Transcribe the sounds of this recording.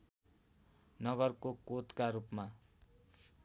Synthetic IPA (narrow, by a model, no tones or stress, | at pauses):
nʌɡʌrkokot̪kaɾupma